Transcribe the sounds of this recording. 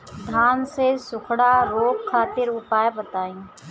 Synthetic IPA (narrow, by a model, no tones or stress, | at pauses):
d̪ʱaːnsesʊkʰɽaɾoːkkʰːaːt̪ɪɾʊpaːjebət̪aːĩː